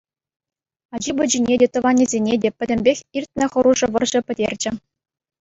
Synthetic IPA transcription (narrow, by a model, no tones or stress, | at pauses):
ɑd͡ʑibɘ̆d͡ʑinʲedʲet̪ɤ̆ʋɑnʲːizʲenʲedʲepʲɘ̆dʲɘ̆mʲbʲexʲirʲtʲnʲɘ̆χɤ̆ɾuʐɤ̆ʋɤ̆rʑɤ̆pʲɘ̆dʲerʲd͡ʑɘ̆